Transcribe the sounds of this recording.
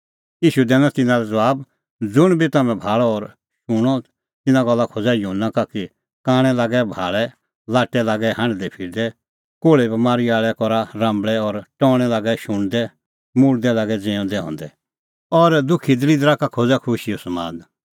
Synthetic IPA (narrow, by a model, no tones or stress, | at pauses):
iːʃud̪ɛːnɔt̪ɪnãɾɛd͡zɐʋaːb | d͡zʊɽ̃bʱit̪amɛ̃bʱaːɭɔːɾ | ʃʊɽ̃ɔ | t̪ɪnãɡɔlːakʰod͡zajʊɦənːakaki | kaːɽ̃ɛlaːɡɛbʱa̰ːɭɛ | laːʈɛlaːɡɛɦãɳɖd̪ɛpʰiːɾd̪ɛ | koːɭebɐmaːɾiaːɭɛkɔɾaɾãːmbɭɛɔɾʈɔːɽ̃ɛlaːɡɛʃʊɽ̃d̪ɛ | mʊɽd̪ɛlaːɡɛd͡zẽːɔ̃d̪ɛɦɔ̰̃ːnd̪ɛ | ɔɾd̪ʊkʰid̪lid̪ɾakakʰod͡zakʰʊʃiɔsɐmaːd̪